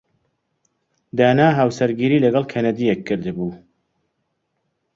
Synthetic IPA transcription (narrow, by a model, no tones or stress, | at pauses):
d̪aːnaːɦaːwsɐɾɡiːɾiːlɐɡɐlˠkʰɐnɐd̪ijekʰːɨɾd̪ɨbuː